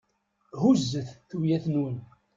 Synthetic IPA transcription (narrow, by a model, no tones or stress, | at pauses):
huzːəθθujæθnun